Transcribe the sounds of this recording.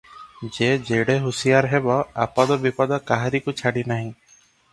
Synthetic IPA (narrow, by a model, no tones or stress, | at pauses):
d͡ʒed͡ʒeɽeɦusijaɾɦebɔa̰pad̪ɔbipɔd̪ɔkaɦaɾikut͡ʃʰaɽinaɦĩ